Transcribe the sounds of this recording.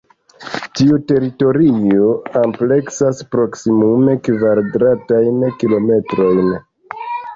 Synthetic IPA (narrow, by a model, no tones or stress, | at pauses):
tiute̞ɾito̞ɾioample̞ksaspɾo̞ksimume̞kvaɾdɾatajnkilo̞me̞tɾo̞jn